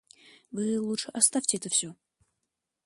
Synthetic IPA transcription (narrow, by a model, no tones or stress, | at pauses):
vɨlˠutʂɨʔɐst̪afʲtʲɪɛt̪əfsʲo